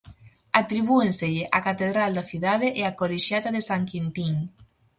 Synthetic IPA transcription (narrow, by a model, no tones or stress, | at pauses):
at̪ɾiβ̞uẽnseʎeʔakat̪eðɾald̪aθjuðaðeʔeakoleʃjat̪aðesaŋkint̪iŋ